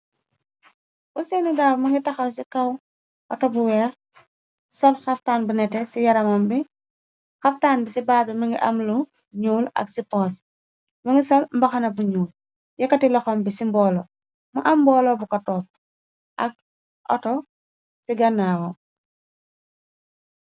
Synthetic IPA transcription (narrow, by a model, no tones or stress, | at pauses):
ʔusenudafmɐŋɡitɐxɐwsikɐw | ʔɔtɔbuwɛːx | sɔlxɐftaːnbunɛtɛsijɐɾɐmɐmbi | xɐftaːnbisibaːbɛmɐŋɡiʔɐmlu | ɲuːlɐ̰ksipɔːs | mɐŋɡisɔlmbɐxɐnɐbuɲuːl | jɐkɐtilɔxɔmbisimbɔːlɔ | mɐʔɐmbɔːlɔbukɐtɔːp̚ | ʔɐ̰k̚ | ʔɔ̰tɔ | siɡɐnːaːwɔ